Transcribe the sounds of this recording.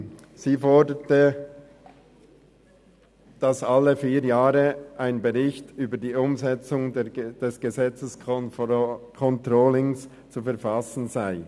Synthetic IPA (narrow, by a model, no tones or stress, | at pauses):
z̥iːfɔɹdətə | d̥ɑsɑlːəfiːɾjaːʁəʔaɪnbeʁɪçtyːbədiːʊmzɛt͡sʊŋd̥ɛsɡ̥ezɛt͡səs | kʰɔntʁoːlɪŋs | t͡sufɛɐfɑsn̩zaɪ